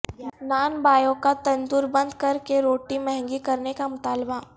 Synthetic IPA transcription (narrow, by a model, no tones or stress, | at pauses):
naːnbaːjõkat̪ɐ̃nd̪ʊːɾbɐ̃nd̪kɐɾkeɾoːʈimɛɦɛ̃ŋɡikɐɾnekamʊt̪aːlba